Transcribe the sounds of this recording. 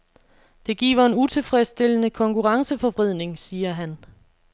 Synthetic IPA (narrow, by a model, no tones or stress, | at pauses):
d̥e̝ɡ̥ḭːʋɐe̝nut͡sʰe̝lfʁɛsd̥e̝l̰ənəkʰɒ̽ŋkʰuʁɑ̈ŋsəfɒ̽ʋʁið̰ˠne̝ŋsiːɐɦæn